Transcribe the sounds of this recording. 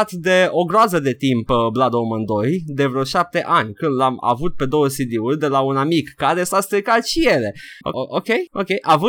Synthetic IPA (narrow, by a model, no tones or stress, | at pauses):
t̪d̪e̞o̞ɡɾoazəd̪e̞t̪impblad̪o̞mɨnd̪o̞jd̪e̞vɾeoʃap̚t̪e̞ʔanʲkɨnd̪lama̰vut̪̚pe̞d̪o̞wəsid̪iurʲd̪e̞launamikːaɾe̞sast̪ɾikat̪ʃijele̞o̰ookʲe̞jokʲejʔavɨ